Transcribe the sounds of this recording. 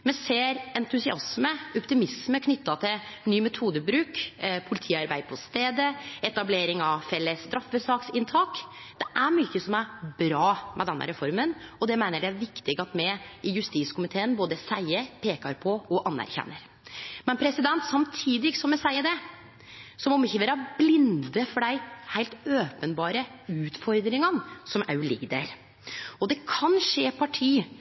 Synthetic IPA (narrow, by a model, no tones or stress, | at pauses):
mɛseːɾɛnt̪ʉsɪɑsməɔpt̪ɪmɪsməkʰnʏt̪ːɑt̪ʰɪl | nyːmɛt̪ʰuːd̪əbɾʉːkpʰʊlɪt̪ʰiːɑɾbæɪd̪pʰɔst̪eːd̪əɛt̪ɑbleːɾɪŋɑʋfɛlːəst̪ɾɑfbəsɑːksɪnt̪ʰɑːkd̪̥ɛʔæɾmyːçəsɔmæɾbɾɑːmɛd̪ɛnːə̰ɾɛfɔɾmənɔd̪ɛmæɪnəɖɛæɾʋɪkt̪ɪɡəɑt̪mɛɪjʉst̪iːt̪skʰʊmɪt̪ʰeːənboːd̪əsæɪəɾpʰeːkɑɾpʰɔɔʔɑnːæ̰ɾçɛ̰nːəɾ | mɛnpʰɾɛsɪd̪ɛnt̪sɑmt̪ʰiːd̪ɪɡsɔmːɛsæɪəd̪ɛ | sɔmɔmɪçːəʋeːɾɑblɪnd̪əfɔɖæɪhæɪt̪øːpənbɑːɾəʉːt̪fɔɾd̪ɾɪŋənsɔmʔæ̰ɾʉlɪ̰ɡd̪æ̰ɾ | ɔd̪ɛkʰɑnʂeːpʰɑʈʰiː